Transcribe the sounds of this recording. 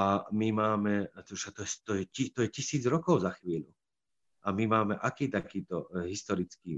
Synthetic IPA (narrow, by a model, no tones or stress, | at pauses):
amimaːmɛt̪uʃat̪ɔɛst̪ɔjɛcit̪ɔjɛcisiːd͡zɾɔkɔʊzaxʋiːʎu | amimaːmɛʔakiːt̪akiːt̪ɔɦist̪ɔɾit͡skiː